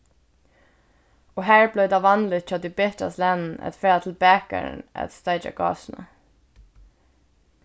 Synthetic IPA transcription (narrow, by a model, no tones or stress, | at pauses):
oːhæːɹblœʏd̪ɑːʋɑnlɪt̪c͡çœd̪iːbɪt̪ɑ̰slænn̩ɛ̰t̪fɛːɾɑt̪ʰl̩bæːkə̰ɳʔɛ̰t̪st̪ɑɪd͡ʒɑ̰ɡɑ̰ːsn̩ə̰